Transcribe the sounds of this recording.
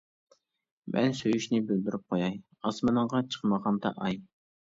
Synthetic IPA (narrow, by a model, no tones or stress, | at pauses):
mʔɛ̰nsøjyʃnɪbøld̪yɾyp̚qʰojɑj | ɑsmɑnəɴʁɑt͡ʃʰə̥qməʁɑnd̪ɑ̰ʔɑj